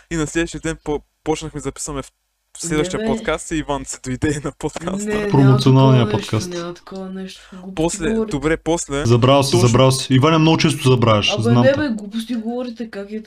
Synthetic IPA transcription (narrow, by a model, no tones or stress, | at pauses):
inɐslɛd̪vɐʃt̪ijəd̪ɛnp | pɔt͡ʃnɐxmɛzɐpi̥sɐmɛf | slɛd̪vɐʃt̪ijɐpot̪tkast̪ɛivansɛ̥d̪oid̪ɛnɐpot̪kʰasst̪əpɾomot̪sionalˠnijɐnpɔt̪kast̪ɐ̥kɔvɐnɛʃt̪poslɛd̪obɾɛpɔslɛzɐbɾalˠsɛzɐbɾalˠsɛ̥ivanʲɐmnoɡʊt͡ʃɛst̪ʊsɛzɐbɾavɛʃznamɛbɛɡlˠupʊst̪iɡovɔɾit̪ɛkakɛ